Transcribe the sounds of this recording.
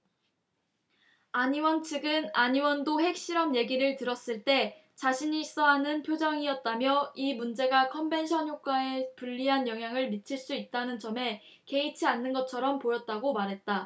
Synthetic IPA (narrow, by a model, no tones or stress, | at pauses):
aɲiwʌnt͡ɕʰiɡɯnaɲiwʌndoɦe̞k̚ɕ͈iɾʌmje̞ɡiɾɯɭtɯɾʌs͈ɯɭt͈e̞ | t͡ɕaɕʰiɲis͈ʌɦanɯnpʰjod͡ʑʌŋiʌt̚t͈amjʌimund͡ʑe̞ɡakʰʌmbe̞nɕʰʌnɦjok̚k͈ae̞puʎːiɦanjʌŋɦjaŋɯɭmit͡ɕʰiɭs͈uit̚t͈anɯnt͡ɕʌme̞ | ke̞it͡ɕʰianːɯnɡʌt͡ɕʰʌɾʌmpojʌt̚t͈aɡomaɾɦet̚t͈a